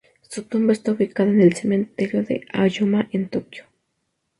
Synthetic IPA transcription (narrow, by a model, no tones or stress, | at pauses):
sot̪umbast̪okikaðanelsement̪eɾjoðḛa̰jomaʔent̪okjo̥